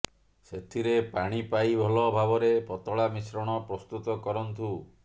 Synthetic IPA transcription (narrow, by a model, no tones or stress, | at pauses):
set̪ʰiɾepaɽ̃ipajbʱɔlɔbʱabɔɾepɔt̪ɔɭamisɾɔɽ̃ɔpɾɔst̪ut̪ɔkɔɾɔnt̪u